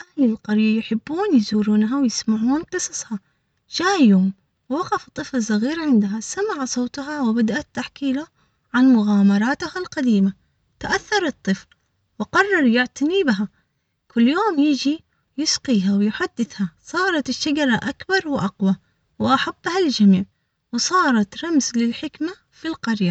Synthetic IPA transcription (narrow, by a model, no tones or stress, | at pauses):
ʔahlɪlqɑɾjajʊħɪbːuːnjɪzuːɾuːnɦawjɪsmaʕuːnqɨsˤɑsˤhɑ | d͡ʒaːjoːm | wwɑqɑfɨt̪ˤːɨflɪsˤːɑɣiːɾʕɪnd̪ɦasamaʕasˤoːt̪ˤɦɑwɪbad̪aʔat̪ːaħkiːlʊ | ʕanmʊɣaːmɑɾˤɑːt̪ʊhalqad̪iːma | t̪aʔaθːɑɾˤɨt̪ˤːɨfl | wɪqɑrˤːɑɾˤjɪʕt̪aniːbɪɦa | kʰʊlːjoːmjɪd͡ʒi | jɪsqiːɦawɪjħad̪ːɪθhasˤɑːɾˤɑt̪ɪʃːad͡ʒɑɾˤɑʔakbɑɾˤwʔaqwa | wɪʔaħab̥ːhald͡ʒamiːʕ | wsˤɑːɾˤɑt̪ɾˤɑmzlɪlħɪkma | filqɑɾja